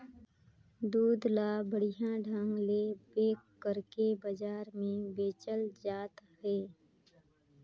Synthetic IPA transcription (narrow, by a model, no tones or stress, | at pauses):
d̪uːd̪laːbəɽ̤ɪjãɖʱə̃ŋɡlebeːkːəɾkebəd͡ʒaːɾmẽbeːt͡ʃəld͡ʒaːt̪ɦɛː